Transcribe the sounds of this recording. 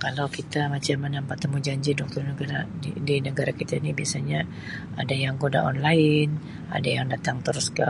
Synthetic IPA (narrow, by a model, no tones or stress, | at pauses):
kalawkit̪amat͡ʃamːənampat̪ːəmud͡ʒaɲd͡ʒidɔk̚t̪ɔrnəɡaɾaidinəɡaɾakit̪ainibiasaɲa | a̰dajaŋkoda̰ʔɔnlaɪn | a̰dajaŋdat̪aŋt̪əɾʊska̰